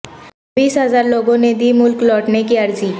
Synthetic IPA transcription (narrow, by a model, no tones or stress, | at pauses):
biːsɦɐzaːɾloːɡõned̪iːmʊlklɔːʈnekiɐɾziː